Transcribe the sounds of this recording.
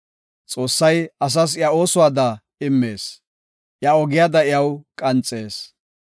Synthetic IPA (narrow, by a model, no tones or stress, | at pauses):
t͡sʼo̞ːsːɐjɐs̬ɐs̬jao̞ːsʊwaːd̪ɐ | ɪmːe̞ːs | ʔjaɔɡɪjad̪ɐɪjɐwkʼɐnt͡sʼːeːs